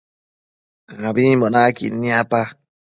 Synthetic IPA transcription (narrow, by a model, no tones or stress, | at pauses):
abibonakḭnĩapa